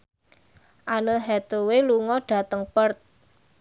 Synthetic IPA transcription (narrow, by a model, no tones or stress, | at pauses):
ʔanoɦɛt̪oweluŋɔɖ̥ä̤t̪əŋpərt̪̚